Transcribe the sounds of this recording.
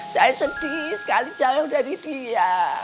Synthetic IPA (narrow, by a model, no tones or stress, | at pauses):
sajasəd̥isə̥kali̥d͡ʒaŋaudadidija